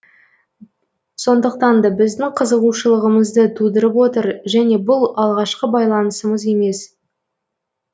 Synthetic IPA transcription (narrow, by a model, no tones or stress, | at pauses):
so̞nd̪əq̚t̪ɑnd̪ɑbɪzd̪ɪŋqʰəzəʁuʃəlˠəʁəməzd̪ət̪ʰud̪əɾəpwo̞t̪əɾʒæne̞bʊlˠɑlˠʁɑʃqəbɑjlˠɑnəsəməze̞me̞s